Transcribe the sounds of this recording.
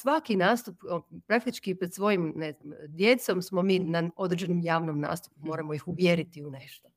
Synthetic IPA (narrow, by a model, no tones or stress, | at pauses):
sʋakinaːst̪uppɾak̚t̪it͡ʃkipɾed̪sʋo̞jimneznamd̪je̞t̪so̞msmo̞miːnao̞d̪ɾd͡ʒenomjaːʋnomna̰ːst̪u̥pumoɾamoixuʋjeɾit̪iune̞ʃt̪o